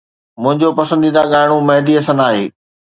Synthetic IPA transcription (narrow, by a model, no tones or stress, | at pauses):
mʊ̃ɦɪ̃ɲd͡ʑopɐsə̃nd̪iːd̪aɠaːɪɽ̃ũmɐɦd̪iɐsənaːɦeː